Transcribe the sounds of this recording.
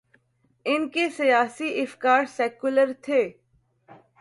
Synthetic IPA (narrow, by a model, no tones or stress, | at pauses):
ɪnkesijaːsiʔɪfkaːɾsɛːkʊləɾt̪ʰeː